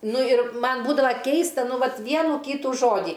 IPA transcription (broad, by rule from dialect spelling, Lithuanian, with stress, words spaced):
ˈnʊ ɪr ˈmɐn ˈbuːdɐʋɐ ˈkʲɛɪstɐ ˈnʊ ˈʋɐt ˈʋʲiɛnuː ˈkʲiːtuː ˈʒoːdʲiː